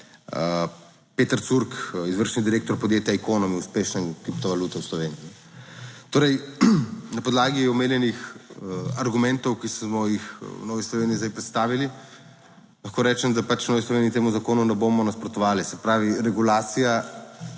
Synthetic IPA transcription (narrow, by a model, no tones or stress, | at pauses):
pet̪əɾsuɾkizʋəɾʃnid̪iɾeːk̚t̪ɔɾpɔd̪jeːt̪jaɛkoːnɔmiuspeːʃnɛnkɾip̚t̪ɔʋalut̪ɛwslɔʋeːniiɛ | t̪oːɾɛj | nɐpɔd̪laːɡiɔmeːnjɛnix | aɾɡumɛnt̪ɔwkismɔjixwnɔːʋislɔʋeːniːzd̪ajpɾɛt̪st̪aːʋili | lɐxkoːɾɛːt͡ʃɛmd̪apat͡ʃwnɔːʋislɔʋeːnit̪eːmuzakoːnunɛboːmɔnaspɾɔt̪ɔʋaːlisɛpɾaːʋiɾɛɡulaːt̪sija